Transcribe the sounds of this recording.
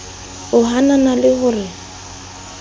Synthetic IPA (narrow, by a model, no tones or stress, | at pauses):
ʊɦananalɪɣʊːrɪ